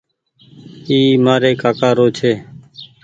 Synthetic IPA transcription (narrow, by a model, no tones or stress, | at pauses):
iːmaːɾeːkaːkaːɾoːt͡ʃʰeː